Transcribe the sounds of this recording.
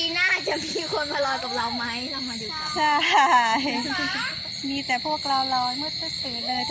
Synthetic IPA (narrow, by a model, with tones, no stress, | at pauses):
iː˧naː˥˩t͡ɕa˨˩ʔmiː˧kʰo˧npʰa˧lɔː˧jkaː˨˩p̚ɾa˧wma˦˥jla˧˩maː˧duː˧ | t͡ɕʰa˥˩˥j | miː˧t̪ɛː˨˩pʰu˥˩ək̚ɾa˧wlɔː˧nu˥˩t̚kʰa˥˩seː˨˩˦nʔa˧